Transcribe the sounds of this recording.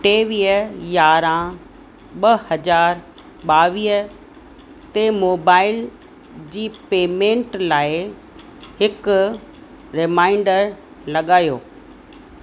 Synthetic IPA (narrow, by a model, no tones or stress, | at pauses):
ʈeːʋiːəjaːɾã | ɓɐhɐd͡ʑaːɾ | ɓaːʋiːɦə | t̪emoːbaːɪl | d͡ʑiːpeːmẽːɳʈlaːɪ | hɪk | ɾɪmaːɪ̃ɳɖəɾ | lɐɠaːjo̰ː